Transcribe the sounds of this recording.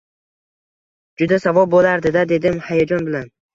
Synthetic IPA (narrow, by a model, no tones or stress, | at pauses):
d͡ʒʊd̪asavɒlbolaɾd̪ɪd̪ad̪e̞d̪ɪmhajad͡ʒɒnbɪlan